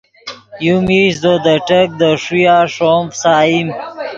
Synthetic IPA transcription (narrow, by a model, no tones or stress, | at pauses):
jumiɕzod̪əʈək̚d̪əʂujaːʂomfsaːim